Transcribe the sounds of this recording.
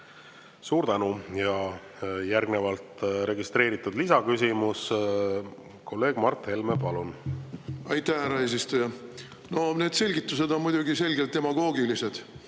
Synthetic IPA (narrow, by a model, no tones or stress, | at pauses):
suːɾt̪ænujɑ | jærɡne̞vɑlt̪ɾe̞ɡist̪ɾe̞ːɾit̪ːˑud̪lisɑkysimus | kʰo̞lːe̞ːɡ̥mɑrt̪he̞lmepɑlun | ɑjt̪ːæhæɾɑe̞ːs̬ist̪ujɑ | no̞neːd̪̥se̞lʲɡit̪ːˑuse̞d̪o̞nmujd̪̥uɡise̞lʲɡelt̪ːe̞mɑɡ̥o̞ːɡilise̞d̪̥